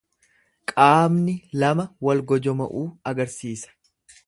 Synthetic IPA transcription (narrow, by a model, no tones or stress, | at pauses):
kʼaːmnɪlɐmɐwɐlɡɔd͡ʒɔmɐ̰ʔuːɐɡɐɾsiːsɐ̥